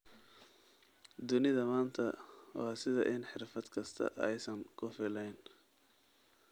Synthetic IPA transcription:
d̪ʊnɪðɐmaːnt̪ʰɐwɑːsɪðɐ̰ʔɪnħɪrfɐd̪kʰɐst̪ʰɐ̰ʔɛjsɐŋkʰʊfɪlɛjn

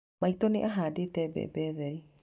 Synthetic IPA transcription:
maitɔneʔaɦaːdetɛbɛ̰bɛðɛɾi

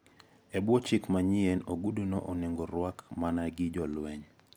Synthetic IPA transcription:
ɛbwɔt͡ʃɪkmaɲiɛnoɡuduno̰ʔɔnɪŋɡɔɾwakmanaɡɪd͡ʒɔlwɛɲ

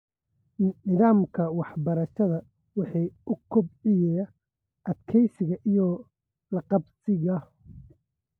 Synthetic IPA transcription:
nɪðaːmkʰɐwɑħbɐɾɐʃɐðɐ | wɑħiːʊkʰʊbʕɪjɛjɐ | ʔɐd̪kʰɛjsɪɣɐʔijɔ | lɐqɑbsɪɣɐ

